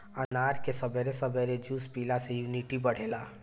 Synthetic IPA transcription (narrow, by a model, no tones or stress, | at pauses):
ənaːɾkesəbeɾesəbeɾed͡ʒuːspiːlasejuːniʈibəɽ̤eːla